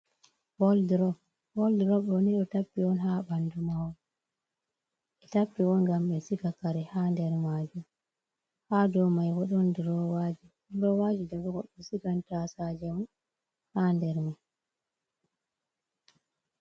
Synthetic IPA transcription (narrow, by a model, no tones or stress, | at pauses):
wɔldɾɔ | wɔldiɾɔɗɔniɗɔtapːiwɔnhabandumawɔ | ɛtapːiwɔnɡamɓɛsikakaɾɛhandɛɾmaːd͡ʒum | hadɔmajwɔɗɔndiɾɔwaːd͡ʒi | dɾɔwad͡ʒidaɡɔɡɔɗːɔsikantasad͡ʒɛwɔn | handɛɾmi